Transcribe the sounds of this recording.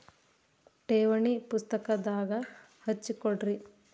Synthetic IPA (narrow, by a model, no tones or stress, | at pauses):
ʈeːʋɐɳipust̪ɐkɐd̪aːɡɐ | hɐt͡ʃːikoɽɾi